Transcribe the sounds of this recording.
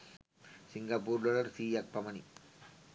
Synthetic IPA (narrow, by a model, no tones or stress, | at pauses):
siŋɡɐpuːɾlolɐɾsiːɐk̚pɐmɐni